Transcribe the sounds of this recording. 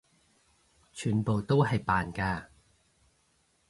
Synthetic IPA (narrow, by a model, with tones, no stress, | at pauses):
t͡ʃʰyː˨˩npo˨wt̪o˥wɦɐ˨jpaː˨nkaː˧